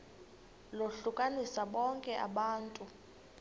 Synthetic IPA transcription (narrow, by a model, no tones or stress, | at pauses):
loɬukʼanisaɓɔŋkʼɛʔa̰ɓaːntʼu